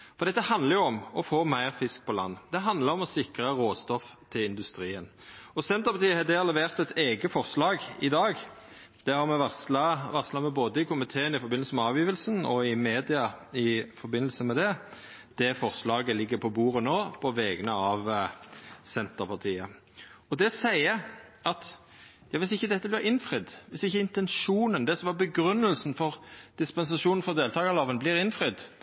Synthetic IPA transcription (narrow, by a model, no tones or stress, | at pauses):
fɔʁd̪ɛt̪ːəhɑnd̪ləɾjʊɔmɔfoːmæɪʁfɪsk̚pʰɔlɑ̰nːəd̪̥ɛɦɑnd̪ləɾɔmɔsɪkɾəʁoːst̪ɔft̪ʰɪlɪnd̪ʉst̪ɾiːən | ɔsɛnt̪əʁpɑt̪iːəhɑd̪ɛɑlɛʋeːʁt̪ɛt̪ʰeːɡəfɔʁslɑːɡɪd̪ɑːɡ | d̪̥ɛhɑʁmɛɑɑʋɑʁslɑmɛboːd̪əɪkʰʊmɪt̪ʰeːənɪfɔɾbɪnl̩səmɛɑːʋjiːʋəlsənɔɪmeːd̪ɪɑɪfɔɾbɪnːəl̩səmɛd̪ɛ | d̪̥ɛfɔʁslɑːɡəlɪɡːəpʰɔbuːʁənoːpʰɔʋɛːɡənəɑʋ | sɛnt̪əɾpɑʁt̪ʰiːə | ɔd̪ɛsæɪəʔɑt̪ | jɑːʋɪsɪçːəd̪ɛt̪ːəblɪɾɪnfɾɪd̪ʋɪsɪçːəɪnt̪ɛnʂuːnənd̪ɛsɔmʋɑbəɡɾʉnːəlsn̩fɔʁd̪̥ɪspɛnsɑʂuːnn̩fɔd̪eːlt̪ɑːɡəlɑːʋənblɪɾɪnfʁɪd̪